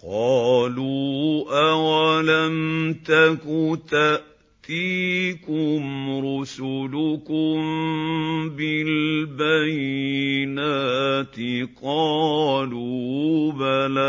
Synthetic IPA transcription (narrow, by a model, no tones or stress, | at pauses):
qɑːluːʔawalamt̪akʊt̪aʔ | t̪iːkʊmɾʊsʊlʊkʊm | bɪlbajɪnaːt̪ɪqɑːluːbala